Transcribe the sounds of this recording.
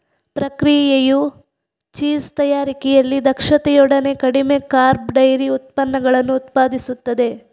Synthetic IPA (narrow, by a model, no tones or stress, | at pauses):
pɾɐkɾijjeju | t͡ʃiːst̪ɐjaːɾikɛjɐlːid̪ɐkʂɐt̪ɛjɔɽɐne̞kɐɽime̞kaːɾbɖɐjɾiut̪̚pɐnːɐɡɐɭɐnːuːt̪paːd̪isut̪ːɐd̪e̞